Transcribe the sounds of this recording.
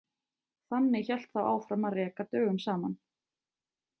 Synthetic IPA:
θanːɪçɛl̥t̪θawa̰ːwfɾamarɛkat̪œːɣʏmsaːman

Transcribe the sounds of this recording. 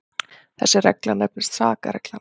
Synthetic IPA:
θɛ̰sːɪɾrɛklanɛpnɪst̪saːkaɾɛklan

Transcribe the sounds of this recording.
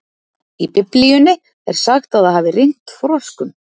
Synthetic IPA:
ipɪplijʏnɪ | ɛ̰ɾ̥saxt̪aðaðhaːvɪrejn̥t̪fɾɔskʏm

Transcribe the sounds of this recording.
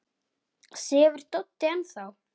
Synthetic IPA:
sɛːvʏɾ̥t̪ɔt̪ːɪanθaw

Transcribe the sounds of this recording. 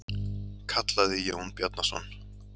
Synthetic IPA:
kʰat̪laðɪjownpjɔt̪nasɔ̰n

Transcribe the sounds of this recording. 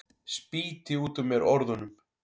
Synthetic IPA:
spiːt̪ɪuːt̪ʏmːjɛɾʔɔɾðʏnʏm

